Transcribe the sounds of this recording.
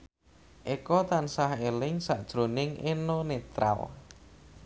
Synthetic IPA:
ʔekɔt̪ansahelɪŋsaʔd̥ʒ̥ɾonɪŋʔenonet̪ɾa̰l

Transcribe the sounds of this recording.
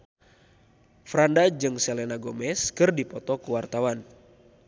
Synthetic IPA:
fɾandad͡ʒɨŋsɛlɛnaɡomɛskɨrdipɔt̪ɔkuwart̪awan

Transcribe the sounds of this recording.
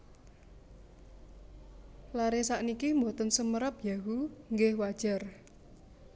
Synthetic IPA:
laɾesaʔnikimbo̤t̪ənsəməɾəp̚jaɦuŋɡɪhwad̥ʒ̥a̤r

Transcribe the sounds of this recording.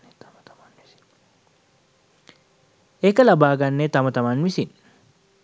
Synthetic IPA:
t̪ | t̪ɐmɐnɪs | ʔɛkɐlɐbaːɡɐnːet̪ɐmɐt̪ɐmɐnmɪsɪn

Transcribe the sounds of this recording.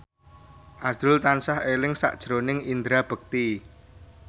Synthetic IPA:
ʔasʊlt̪ansahelɪŋsa̰ʔd̥ʒ̥ɾonɪŋind̪ɾab̥ə̤k̚t̪i

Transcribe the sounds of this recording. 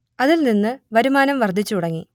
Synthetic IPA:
ɐðilninːɨʋɐɾumaːnɐmʋɐrd̪ʱit͡ɕːuuɽɐŋːḭ

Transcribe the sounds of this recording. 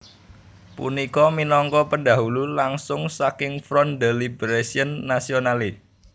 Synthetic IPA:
pṵnikɔminɔŋkɔpənda̤ɦululaŋsʊŋsakɪŋfɾɔndelibəɾesiənːasionali

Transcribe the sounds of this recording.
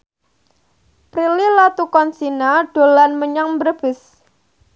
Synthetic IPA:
pɾililat̪ukɔnsinaɖ̥o̤lanməɲaŋbərb̥ɪs

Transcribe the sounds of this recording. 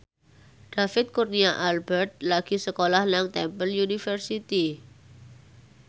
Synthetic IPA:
ɖ̥afɪt̪̚kurniaʔalbɛrt̪̚laɡ̥i̤səkolahnaŋt̪ɛmpəljunifərsit̪i

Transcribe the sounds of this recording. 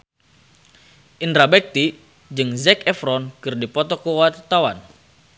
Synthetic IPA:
ʔindɾabɛk̚t̪i | d͡ʒɨŋzɛkɛfɾɔnkɨrdipɔt̪ɔkəwat̪awan

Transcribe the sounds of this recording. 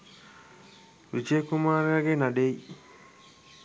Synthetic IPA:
ɾit͡ʃekːumaɾjaɡenaɖej

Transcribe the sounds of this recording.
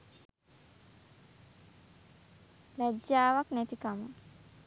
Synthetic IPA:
lɛd͡ʒːaːʋaknɛt̪ikamə

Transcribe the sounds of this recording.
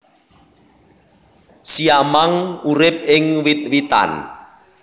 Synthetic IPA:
siamaŋuɾɪp̚ɪŋwit̪̚wit̪a̰n

